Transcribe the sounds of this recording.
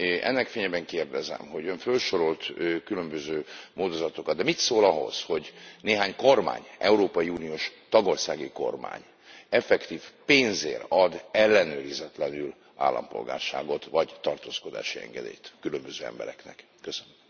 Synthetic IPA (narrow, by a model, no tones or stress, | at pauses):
ʔɛ̰nːɛkfeːɲɛbɛŋkeːrd̪ɛzɛ̰mho̞ɟøɱfølʃo̞ɾo̞lt̪ːkylø̞mbøzøːmoːd̪o̞zɒt̪o̞kɒd̪̚d̪ɛmit̪soːlɒɦo̞̰z̥ho̞ɟneːɦaːɲko̞rma̰ːɲʔɛuɾoːpɒjiuːnioːʃt̪ɒɡo̞rsaːɡiko̞̰rma̰ːɲ | ɛfɛkt̪iːfpeːnzḛːrɒd̪ɛlːɛnøːɾizɛt̪lɛnyl | a̰ːlːɒ̰mpo̞̰lɡa̰ːrʃa̰ːɡo̞t̪ʋɒɟt̪ɒrt̪oːsko̞d̪a̰ːʃiɛ̰ŋɡɛd̪ḛːjt̪kylømbøzøːɛ̰mbɛ̰ɾɛknɛ̰kːøsønøm